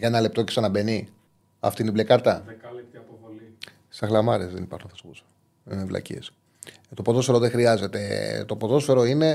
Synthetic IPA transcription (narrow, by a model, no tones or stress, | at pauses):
ʝɐenɐle̞p̚t̪o̞cesɐnɐbe̞ni | ɐ̰ft̪iniblekɐɾt̪ɐ | l | sɐxlɐmɐɾezðe̞nipɐ̰ɾxunθɐspusɐ̥ | einevlɐ̰cḭes | t̪o̞poðo̞sfe̞ɾoðexɾiɐze̞t̪e̞t̪o̞po̞ðo̞sfe̞ɾo̞ine̞